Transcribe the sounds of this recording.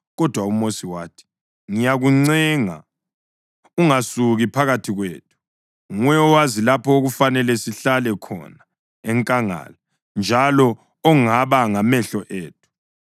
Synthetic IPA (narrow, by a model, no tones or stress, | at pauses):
ɣɔd̥ʱwaumosiwaːtʰi̥ | ŋijaɣuŋ͡ǀɛŋa̰ | uŋasuɣipʰaɣatʰiɣwḛːtʰu̥ | ŋwɛɔwazilapʰɔoɣufanɛlɛsiɬalɛkʰɔ̰na | ɛŋkʼaŋa̰la | nd͡ʒʱalɔː | ŋaβaŋamɛɬɔʔeːt̚ʰu̥